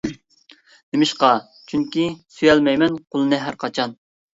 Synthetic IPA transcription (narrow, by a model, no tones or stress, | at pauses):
nemɪʃqɑ | t͡ʃʰyŋkʲisyjɛlmɛjmɛnqʰolˠɨnɨɦæɾqʰɑt͡ʃʰɑn